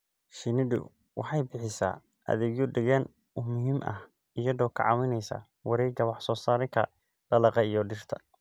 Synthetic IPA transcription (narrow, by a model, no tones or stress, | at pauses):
ʃɪnɪɖʊ̰ | wʔɑħɑjbɪħɪsa̰ː | ʔɐ̰ðɛɡjʊɖɪɣɐn | ʊmʊɦiːmʔɐ̰h | ɪjɐðɔːkʰɑ̰ʕɑ̰wɪnɛjsa̰ː | wɑɾɛːɡɐwɑħsɔːsaːɾɪŋkʰɐ̰ | ɖ̥ɐlɐqɑijɔɖɪr̥t̪ʰɐ̥